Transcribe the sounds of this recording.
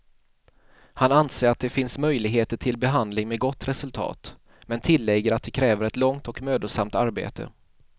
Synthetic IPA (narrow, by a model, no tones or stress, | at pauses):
hananseːɾat̪̚d̪ɛfɪnsmœjlɪɡɦeːt̪əʈʰɪlbɛɦand̪lɪŋmɛɡɔt̪ːɾɛsɵlt̪ʰɑ̰ːt̪ | mɛnt̪ʰɪlːɛɡəɾat̪̚d̪ɛkʰɾɛːvəɾɛt̪lɔŋt̪ɔkmøːd̪ʊsamt̪aɾbḛːt̪ə̰